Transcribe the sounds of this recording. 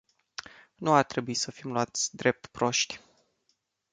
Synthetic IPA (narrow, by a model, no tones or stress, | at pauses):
nuart̪ɾe̞buisəfimluat̪sʲd̪ɾe̞p̚t̪pɾo̞ʃt̪ʲ